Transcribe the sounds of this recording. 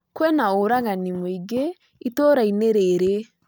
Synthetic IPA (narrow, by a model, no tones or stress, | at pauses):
kwɛnaoɾaŋanimoiɡe | itoɾaineɾɛɾe